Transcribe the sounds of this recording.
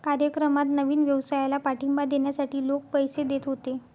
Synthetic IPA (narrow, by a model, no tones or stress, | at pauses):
kaɾjəkɾəmat̪nəʋiːnʋjəʋsajlapaʈimbad̪eɳjasaʈiːlok̚pəjsed̪et̪ɦot̪e